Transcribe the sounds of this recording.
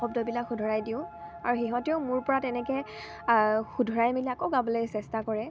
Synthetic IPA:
ɔbdɔbilakʰxudʱɔɹajdiʊ̃aɹuxiɦɔtɛʊmʊɹpɔɹatɛnɛkɛ | xudʱɔɹajmiliakoɡabɔlɔjsɛstakɔɹɛ

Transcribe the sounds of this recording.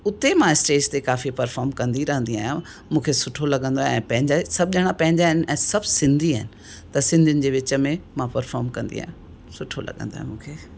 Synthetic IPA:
ʊt̪emãɪsʈeːd͡ʑt̪ekaːfipɐɾfaːɾmkɐ̃nd̪iɾɐɦə̃nd̪ia̰ːjã | mũːkʰesʊʈʰolɐɠə̃nd̪oaɛ̃ːpɐ̃ɦɪ̃ɲd͡ʑasɐb̚ʱʄɐɽ̃apɐ̃ɦɪ̃ɲd͡ʑaɦɪnɪ̆ʔɛ̃ːsɐbʱsɪ̃nd̪ʱiaːɦɪnɪ̆ | t̪ɐsɪ̃nd̪ʱijʊ̃nɪ̆d͡ʑeːʋɪt͡ɕə̆mẽmãpɐɾfaːɾmkɐ̃nd̪ḭa̰ːɦjã | sʊʈʰolɐ̰ɠə̰̃nd̪oaːɦmũːkʰeː

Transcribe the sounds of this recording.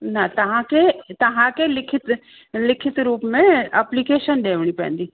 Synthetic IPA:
nɐt̪ɐʋ̤ãkʰet̪ɐʋ̤ãkʰelɪkʰɪt̪ | lɪkʰɪt̪ɾuːpmẽeːplikeːʃənɗeːʋəɽ̃ipɐ̰̃ɪ̃nd̪iː

